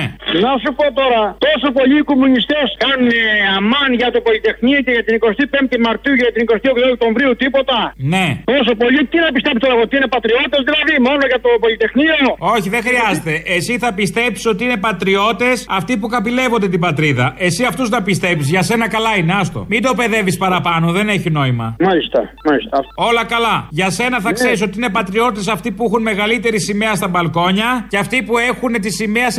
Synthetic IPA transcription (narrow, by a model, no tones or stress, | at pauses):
nɐsupot̪o̞ɾɐt̪o̞so̞po̞ʎiːkomunist̪eskɐnuneɐmɐnʝɐt̪opo̞lit̪e̞xniɐce̞ʝɐt̪iniko̞st̪ipemt̪imɐɾt̪iuʝɐʝɐt̪iniko̞st̪iokt̪ook̚t̪o̞ɱvɾiut̪ipo̞t̪ɐne̞t̪o̞s̬o̞po̞ʎit̪inɐpist̪epst̪oɾɐɣot̪iine̞pɐt̪ɾio̞t̪ezðilɐðimo̞no̞ʝɐt̪opo̞lit̪e̞xnioo̞çiðe̞xɾiɐzet̪e̞ʔesiθɐpist̪e̞psi̥so̞t̪iine̞pɐt̪ɾio̞t̪e̞sɐft̪ipukɐpile̞vo̞nd̪e̞t̪̬ibɐt̪ɾiðɐe̞siɐft̪uznɐpist̪e̞psizʝɐse̞nɐkɐlɐine̞ɐst̪o̞̰mid̪o̞pe̞ðe̞vispɐɾɐpɐno̞ðe̞ne̞çino̞imɐ̰mɐlist̪ɐmɐlist̪ɐo̞lɐkɐlɐʝɐse̞nɐθɐkse̞ɾiso̞t̪iine̞pɐt̪ɾio̞t̪e̞sɐft̪ipuexunme̞ɣɐlit̪e̞ɾisime̞ɐst̪ɐbɐlko̞ɲɐceɐft̪ipue̞xunet̪isimeɐs